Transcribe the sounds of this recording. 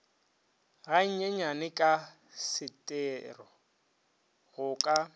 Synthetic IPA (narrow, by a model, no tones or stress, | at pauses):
ɣaɲ̩ɲɛɲanɪkʼa | sɪtʼɛːrɔ | ɣʊkʼa